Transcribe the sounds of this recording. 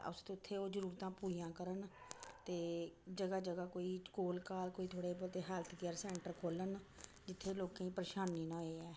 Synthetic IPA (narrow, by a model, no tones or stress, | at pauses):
ʊ̰sd̪eʊt̪ʰːeːoːd͡ʒəɾuːɾt̪ãːpuːijãːkəɾənt̪eːd͡ʒəɡaːd͡ʒəɡaːkoːiːkoːlkaːlkoːiːt̪ʰoːɽeːpot̪eːɦalət̪ʰɡɪjəɾsɛ̃ːɳʈəɾkʰoːlən | d͡ʒɪt̪ʰːeːloːkːĩːpɾəʃaːniːnãːeːɛː